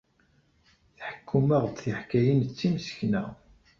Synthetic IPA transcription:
θħə̥kʰːumæʁt̪θiħkæjənt͡sːimsə̥çnæ

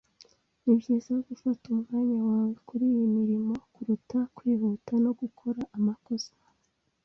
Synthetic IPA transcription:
nibjezejoɡufatumŋaːɲawaːwekuɾiːjimiɾimo̞kuɾutakwiːβutano̞ɡukʰo̞ɾaʔːmako̞sḁ

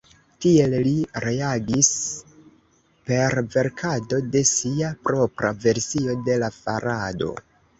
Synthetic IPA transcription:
tie̞lliɾe̞aɡis | pe̞ɾve̞ɾkʰado̞de̞siapɾo̞pɾa̰ve̞ɾsio̞de̞lafaɾado̞̰

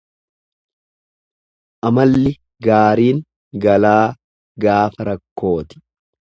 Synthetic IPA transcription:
ʔɐmɐlːɪ | ɡaːɾiːŋ | ɡɐlaː | ɡaːfɐɾɐkːo̞ːt̪ɪ̥

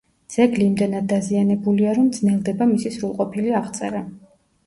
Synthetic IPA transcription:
d̪z̥ɛɡliːmd̪ɛnad̪ːazianɛbuliaɾɔmd̪znɛlˠd̪ɛbamisisɾulˠqʼɔpʰiliaʁt̪sʼɛɾa

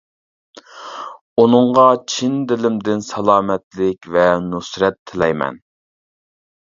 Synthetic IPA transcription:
unɨɴʁɑt͡ʃʰind̪ɪlɪmd̪ɪnsɛlˠɑːmɛt̪lɪkʲvɛnusɾɛt̪ʰːɪlɛjmɛ̰n

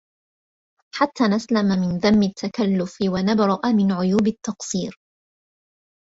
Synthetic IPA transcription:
ħat̪ʰːaːnaslamamɪnðamːɪt̪ʰːakalːʊfɪwanabɾˤɑʔamɪnʕʊjuːbɪt̪ːɑqsˤiːɾ

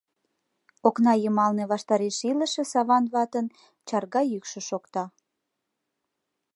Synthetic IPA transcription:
oknɑjəmɑlneβɑʃt̪ɑɾeʃiləʃĕsɑβɑnβɑt̪ən | t͡ɕɑrɣɑjykʃə̆ʃokt̪ɑ

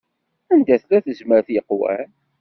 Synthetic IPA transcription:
ænd̪æθlæθəzməɾθjəqːwæ̰n

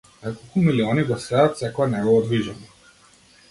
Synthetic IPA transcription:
nɛkolˠkumiliɔniɡɔsɛat̪sɛkɔɛnɛɡɔːd̪viʒamɔ

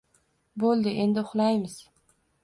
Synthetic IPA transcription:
bolˠd̪ɪʔe̞nd̪ɪʊχlˠajmɪz

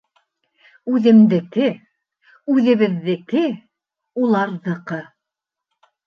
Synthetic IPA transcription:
ʉðɘ̆md̪ɘ̆kɘ | ʉðɘ̆βɘ̆ðːɘ̆kɘ | ulˠɑɾðɤ̆qɤ

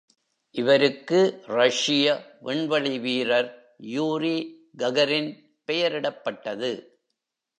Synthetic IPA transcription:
ʔɪʋɐɾɯkːɯɾɐʂɪjɐʋɛɳʋɐɭɪʋiːɾɐɾ | juːɾi | ɡɐɣɐɾɪn | pɛjɐɾɪɽɐpːɐʈːɐðɯ

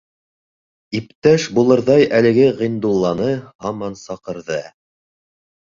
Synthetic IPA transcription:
ip̚t̪æʃbulˠɤ̆ɾðɑjʔælɘ̆ɡɘʁĭnd̪ulˠːɑnɤhɑmɑnsɑqɤ̆ɾðɤ

